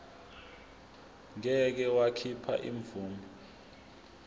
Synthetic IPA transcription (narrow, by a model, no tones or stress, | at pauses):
ŋɛk̬ɛwakʰipʰa̰ʔḭɱvuːmɔ